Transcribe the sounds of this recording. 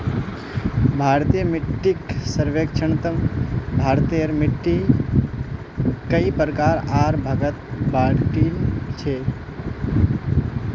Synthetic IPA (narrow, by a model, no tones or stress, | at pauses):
bʱaːɾt̪ijəmɪʈːiksəɾʋeːkt͡ʃʰəɳt̪əmbʱaːɾt̪ijəɾmɪʈːi | kəipɾəkaːɾaːɾbʱaɡət̪̚baːɽʈilt͡ʃʰe